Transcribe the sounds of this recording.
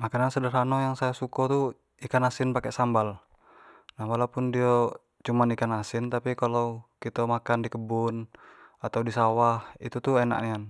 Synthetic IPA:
makanansədaɾɦanɔjaŋsajasukɔt̪u | ikanasinpakɛʔsambal | nahwalaupundia | t͡ʃumanikanasint̪apikalaukit̪amakandikəbunat̪audisawahit̪ut̪uɛna̰ʔnian

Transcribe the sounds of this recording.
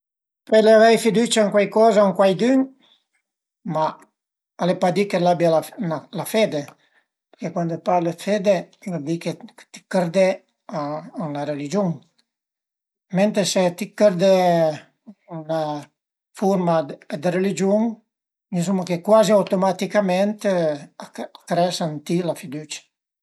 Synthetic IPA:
peɾleavɛjfid̪ut͡ʃaaŋkwajkɔːzaaŋkwajd̪yŋ | ma | alepad̪ikelabjalanalafed̪e | peɾkekwand̪opaɾlefed̪eod̪iket̪i̥kɛɾd̪e | aunaɾelid͡ʒuŋ | ment̪ɾeset̪ikeɾd̪ɛ | una | fuɾmad̪eɾelid͡ʒuŋ | mis̬umakekwaziawt̪omat̪ikamɛnt̪e | akɾɛsant̪ilafid̪ut͡ʃḁ

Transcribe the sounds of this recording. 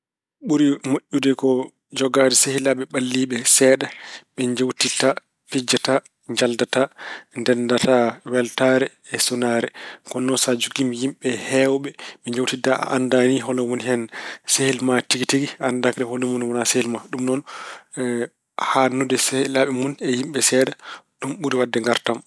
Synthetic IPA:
ɓuɾimoʔʲːudɛkɔ | d͡ʒɔɡadɛsehilaɓɛɓalːiɓɛsɛɗaɓɛɲd͡ʒawtita | pid͡ʒata | ɲd͡ʒaldatandɛndatawɛltaɾɛːsɔnaːɾɛkɔnɔsad͡ʒuɡimjimɓɛhɛwɓɛɓɛɲd͡ʒawtitaʔa̰ʔandaniɦɔlɔmunhɛnsehilmatiɡitiɡiandakɗɛhɔlɔmunwɔnasehilmaɗumnɔn | hanːudɛsehilaɓɛmunɛjimɓɛsɛɗaɗumɓuɾiwadːɛŋɡaɾtam

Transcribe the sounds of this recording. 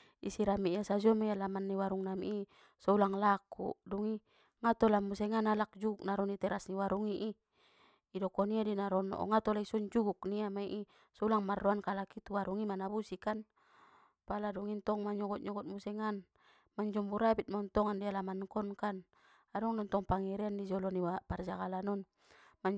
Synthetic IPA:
ḭsiɾamiiasad͡ʒɔmajalamanːiwaɾuŋnamiʔi | sɔulaŋlakṵduŋi | ŋat̪ɔlamusɛŋanalak̚d͡ʒuɡuk̚naɾɔnit̪ɛɾasniwaɾuŋiʔi | idɔkɔniadinaɾɔnɔ̰ʔɔ̰ŋat̪ɔlaisɔɲd͡ʒuɡuk̚niamaiʔi | sɔulaŋmarːɔankalakit̪uwaɾuŋimanabusikan | paladɔŋint̪ɔŋmaɲɔɡɔt̪̚ɲɔɡɔt̪̚musɛŋan | maɲd͡ʒɔmbuɾabit̪̚mɔnt̪ɔŋandialamankɔnkan | adɔŋnɔnt̪ɔŋpaŋiɾɛandid͡ʒɔlɔniwapard͡ʒaɡalanɔn | maɲ

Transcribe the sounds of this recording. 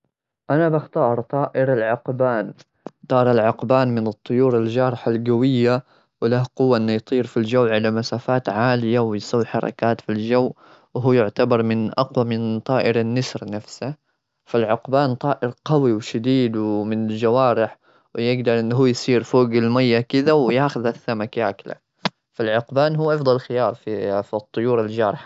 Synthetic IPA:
ʔanabaxt̪ɑːɾˤt̪ˤɑːʔɪɾalʕʊqbaːn | t̪ˤɑːɾˤalʕʊqbaːnmɪnɨt̪ˤːʊjuːɾalʒɑːɾˤɪħalɡawɪjːa | wɪlahqʊwːaʔɪnːʊjt̪ˤiːɾfild͡ʒawːʕalamasaːfaːt̪ʕaːlɪjawɪjsawːħɑ̰ɾˤɑ̰kaːt̪fild͡ʒawː | wɦuːjʊʕt̪abɑɾˤmɪnʔɑqwamɪnt̪ˤɑːʔɪɾanːɪsɾnafsa | falʕʊqbaːnt̪ˤɑːʔɪɾqɑwiwʃad̪iːd̪wmɪnɪld͡ʒawaːɾɪħ | wjɪɡd̪ɑɾˤʔɪnːɦuːjsˤiːɾfoːɡɪlmajːakɪðawjaːxʊðaθːamakjaːkla̰ | falʕʊqbaːnɦuːʔɑfd̪ˤɑlxɪjɑːɾˤfifit̪ˤːʊjuːɾald͡ʒaːɾˤɪħḁ

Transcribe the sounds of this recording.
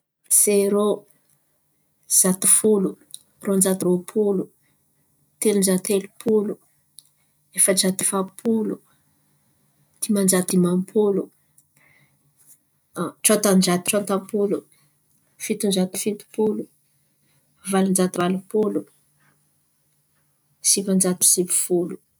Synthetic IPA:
seɾo | z̥at̪i̥fulu | rond͡ʒat̪ɾopʰulu | t̪elund͡ʒat̪elupʰulu | efəd͡ʒat̪i̥fapʰulu | d̪̥imand͡ʒat̪imampʰulu | ʈ͡ʂat̪and͡ʒat̪i̥ʈ͡ʂant̪ampulu | fit̪und͡ʒat̪i̥fit̪u̥pulu | valand͡ʒat̪ivalupulu | sivand͡ʒat̪i̥sipi̥fulu̥

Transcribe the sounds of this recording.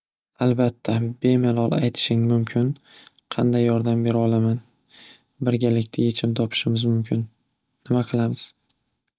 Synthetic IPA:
alˠbat̪ʰːabe̞malˠɒlˠajt̪ʰɪ̥ʃɪŋmʊmkʲʰɪn | qʰɑnd̪ajːɒɾd̪ambe̞ɾɒlˠaman | bɪɾɡʲalɪkʲt̪ʰaje̞t͡ʃʰɪmt̪ʰɒpʰɪ̥ʃɪmɪzmʊmkʲʰɪnː | ɪmaqʰɨlˠamɪz̥

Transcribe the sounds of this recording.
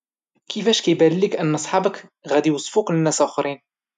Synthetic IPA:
kʰəfæʃkæjbællːikʔənːʔɑsˤħɑbəkɣæd̪iwɑsˤfuklənːæsʔæxɾin

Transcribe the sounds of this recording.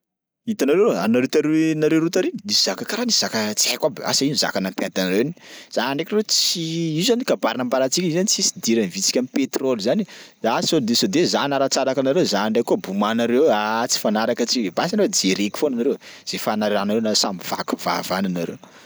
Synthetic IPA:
it̪anaɾewa̰naɾet̪aɾenaɾeɾut̪aɾennisiz̥akakaɾanisiz̥akat͡siakwabea̰sainza̰kanampjad̪anaɾewinz̥aaɳɖ͡ʐekɾet͡siiuzanikabaɾnambaɾat͡sikʲizanit͡sisi̥d̪iɾanivit͡si̥kʲamipet̪rolʲuzanizasond̪esod̪ezanaɾat͡saɾakanaɾewzaaɳɖ͡ʐajkuəbumanaɾewat͡si̥fanaɾakət͡sikebasanaɾed͡zeɾeki̥fonanaɾewz̥efanaɾiɾanaɾenasambiv̥a̰ku̥va̰vananaɾew

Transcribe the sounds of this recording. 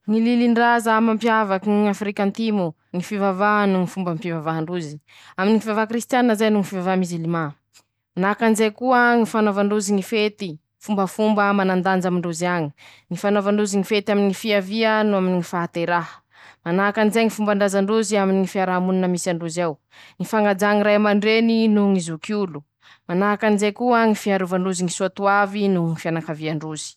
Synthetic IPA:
ŋililiɳɖ͡ʐazamampjavakiafɾikant̪imo | ŋifivavanuŋifumbəmpivavaɦaɳɖ͡ʐuzi̥ | aminiŋifivavakɾist̪jannːəzajnuŋifivavamizilima | manakanizejkuəŋifanovaɳɖ͡ʐuziŋifet̪i | fumbəfumbəmanand̪and͡ʒamiɳɖ͡ʐuziaɲiŋifanovaɳɖ͡ʐuziŋifet̪aminiŋifiaviənuaminiŋifaɦat̪eɾaɦə̥ | manaakanizeŋifumbaɳɖ͡ʐazaɳɖ͡ʐuziaminiŋifiaɾaɦamununəmisaɳɖ͡ʐuzaw | ŋifaŋɡad͡ʒaŋiɾajmaɳɖ͡ʐeninuŋizukulu | manaɦakanizekuəŋifiaɾuvaɳɖ͡ʐuziŋisuat̪uavinuŋifianakaviaɳɖ͡ʐuz̥i̥

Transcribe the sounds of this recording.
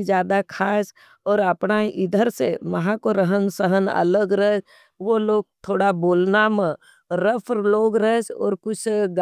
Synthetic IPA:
d͡ʒjaːd̪akʰaːs | ɔːɾəpnaʔɪd̪ʱəɾseməɦãkoɾəɦənsəɦənə̰ləɡɾəɦ | ʋoloːɡ̚t̪ʰoːɽaboːlnamə̃ | ɾəpʰɾloːɡɾəsɔ̰ːɾkʊt͡ʃʰɡ

